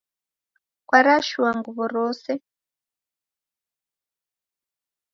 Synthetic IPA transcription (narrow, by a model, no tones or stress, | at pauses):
kwaɾaʃuwaŋɡuβɔɾɔːsɛ